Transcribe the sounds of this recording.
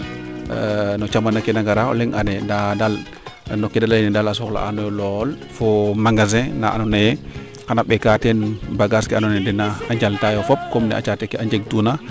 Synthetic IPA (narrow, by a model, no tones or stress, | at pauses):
nɔt͡ʃamanakɛnaŋɡaɾaɔ̰lɛŋʔanɛndadal | nɔkɛdalanɛdalasɔkla̰anɔjɔlɔl | fɔmaŋɡaz̬ɛ̃naʔa̰nɔnajɛ | kanaɓɛkatɛnbaɡaskɛanɔnɛdɛnaːɲd͡ʒaltajɔfɔp̚kɔmnɛ̰a̰t͡ʃatɛkɛaɲd͡ʒeɡ̚tuna